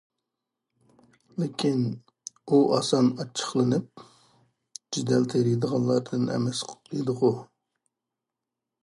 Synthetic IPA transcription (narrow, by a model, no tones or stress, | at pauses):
lɪkʲʰin | uʔɑsɑnɑt͡ʃʰːə̥χlˠɨnɨp̚ | d͡ʒid̪ɛlt̪ʰeɾid̪əʁɑnlˠɑɾd̪ɨnɛ̰mɛsqid̪əʁu